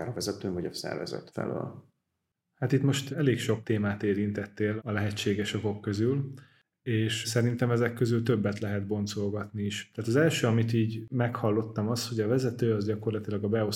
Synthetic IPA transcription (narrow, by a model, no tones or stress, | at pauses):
aːɾɒvɛzɛt̪øːɱvɒɟɒsɛ̰rvɛ̰zɛ̰t̪fɛ̰lø̰ːl | hat̪it̪mo̞ʃt̪ɛleːkʃo̞k̚t̪eːmaːt̪eːɾint̪ɛt̪ːeːlɒlɛɦɛt͡ʃːeːɡɛʃovo̞kːøzyl | eːʃsɛɾint̪ɛmɛzɛkːø̞zylt̪ø̞bːɛt̪lɛɦɛd̪̚bo̞nt̪so̞lɡɒt̪niiʃt̪aːt̪ɒzɛlʃøːɒmit̪iːɟmɛkhɒlːo̞t̪ːɒmɒsho̞ɟɒvɛzɛt̪øːɒzɟɒko̞rlɒt̪ilɒɡɒbɛo̞